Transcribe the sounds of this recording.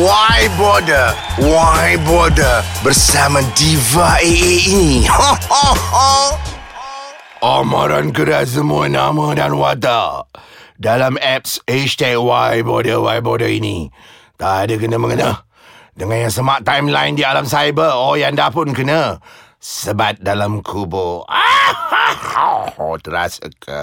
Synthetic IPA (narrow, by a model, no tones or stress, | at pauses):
wajbɔdəwajbɔdəbərsamãdivaeeini | ʔama̰ɾa̰nkəɾas̬əmũənamə̃danwat̪a | dalamɛp̚set͡ʃt̪ɛkwajbodəwajbodəini | t̪aʔadəkənəməŋənah | dəŋanjaŋsəmaʔt̪ajmlaindialamsajbəɔjaŋdapʊnkənə | səbat̪̚dalamkʰuboa | ot̪əɾa̰sə̰kʰə̰